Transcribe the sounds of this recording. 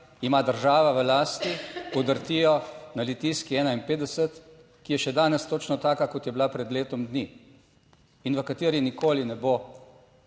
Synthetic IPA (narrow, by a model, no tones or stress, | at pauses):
imaːd̪əɾʒaːʋaʋəlaːst̪iɔd̪əɾt̪ijɔnalit̪iːskiɛːnainpeːd̪ɛsət̪ | kijɛʃɛd̪aːnɛst̪oːt͡ʃnɔt̪aːkakɔt̪jɛbilapɾɛd̪leːt̪ɔmd̪ni | inʋəkat̪iːɾinikoːlinɛbo